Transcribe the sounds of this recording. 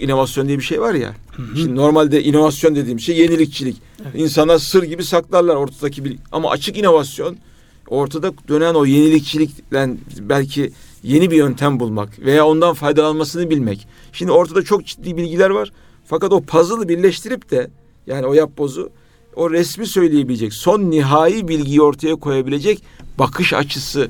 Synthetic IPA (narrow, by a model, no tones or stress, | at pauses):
ino̞vasjo̞nd̪ijɛbiʃejvaɾja̰ʃimd̪ino̞ɾmalʲd̪ɛʔino̞vasjo̞nd̪ed̪iːmiz̥ʃeje̞nilʲic̚t͡ʃʰilʲic | insanlˠaɾsɯɾɟibisaklˠaɾlˠaɾo̞ɾt̪ʰad̪acʰibilʲa̰ma̰ʔa̰t͡ʃʰɯkino̞vasjo̞n | o̞ɾt̪ʰad̪ad̪̥ø̞næno̞je̞nilʲic̚t͡ʃʰilʲiclʲænbælʲcʰije̞nibijø̞nt̪ʰæmbulˠma̰kve̞jaːo̞nd̪anfajd̪alˠanmasɯnɯbilʲmɛc | ʃimd̪io̞ɾt̪ʰad̪at͡ʃʰo̞k̚d͡ʒid̪ːiːbilʲɟilʲæɾvaɾ̥ | fakat̪o̞pʰazɯlˠɯbiɾlʲɛʃt̪ʰiɾip̚t̪ʰɛ | jaːnio̞jap̚bo̞zu | o̞ɾɛsmisø̞jlʲejebilʲed͡ʒɛcso̞nːiɦaːjibilʲɟijio̞ɾt̪ʰajakʰo̞jabilʲe̞d͡ʒɛcbakʰɯʃa̰t͡ʃʰɯsɯ